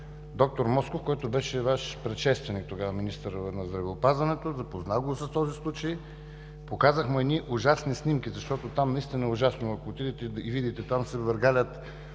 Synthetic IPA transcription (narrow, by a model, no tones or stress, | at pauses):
d̪ɔk̚t̪oɾmɔskofkɔjt̪obɛʃɛvaʃpɾɛt̪ʃɛst̪vɛnik̚t̪oɡavɐminist̪əɾnɐzd̪ɾɐvɛopazvɐnɛt̪ozɐpoznaɡosɐst̪ɔzislˠut͡ʃəj | pokazəxmɛɛd̪niʔʊʒasnisnʲimkʲizɐʃt̪ɔt̪ot̪amnɐist̪inəɛʊʒasnoɐkoːt̪id̪it̪ɛivid̪it̪ɛt̪amsɛvəɾɡalʲət̪